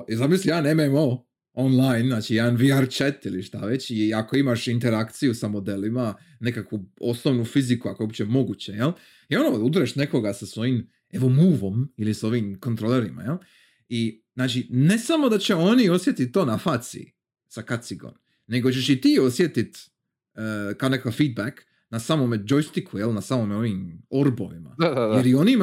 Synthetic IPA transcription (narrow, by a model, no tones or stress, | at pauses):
zamislieanememoː | onlˠajnnaːt͡ʃijed̪anʋiaɾt͡ʃet̪iliʃt̪aʋe̞t͡ɕiako̞imaʃint̪eɾakt̪sijusamo̞d̪elima | ne̞kakʋuo̞snoʋnufizikuakoopt͡ɕemo̞ɡut͡ɕejel | io̞noud̪ɾeʃne̞ko̞ɡasasʋo̞jim | e̞ʋo̞muːʋo̞miliso̞ʋiːmko̞nt̪ɾo̞leɾima̰jelˠ | iznaːt͡ʃine̞samo̞d̪at͡ɕe̞o̞nio̞sje̞t̪it̪̚ːoːnafaːt̪sḭ | sakat̪siɡo̰nː | e̞ɡo̞t͡ɕe̞ʃit̪iːo̞sje̞t̪it̪ː | kaonekakafiːd̪̚bak | nasamomed͡ʒojst̪ikʰujelˠnasaːmomeo̞ʋiːmo̞ɾbo̰ʋima̰jeɾjo̞nim